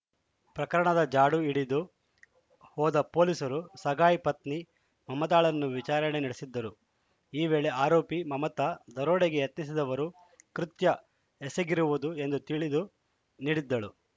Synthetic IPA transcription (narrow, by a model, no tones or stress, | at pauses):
pɾɐkɐɾɐɳɐd̪ɐd͡ʒaːɽuiɽid̪u | hɔːd̪ɐpo̞ːlisɐɾusɐɡʱaːjipɐt̪ni | mɐmɐt̪aːɭɐnːuʋit͡ʃaːɾɐɳeniɽesid̪ːɐɾu | iːʋe̞ːɭeaːɾoːpimɐmɐt̪ɐd̪ɐɾoːɽeɡe̞jɐt̪nisid̪ɐʋɐɾu | kɾut̪jɐ | eseɡiɾuʋud̪ue̞nd̪ut̪iɭid̪u | niːɽid̪ːɐɭu